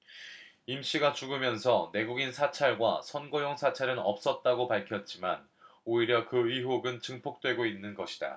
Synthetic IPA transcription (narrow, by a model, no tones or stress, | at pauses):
imɕ͈iɡat͡ɕuɡɯmjʌnsʰʌne̞ɡuɡinsʰat͡ɕʰaɭɡwasʰʌnɡojoŋsʰat͡ɕʰaɾɯnʌ̰p̚s͈ʌt̚t͈aɡopaɭkʰjʌt̚t͡ɕ͈iman | oiɾjʌkɯiɦoɡɯnt͡ɕʰɯŋpʰok̚t͈we̞ɡoinːɯnɡʌɕʰi̥da̰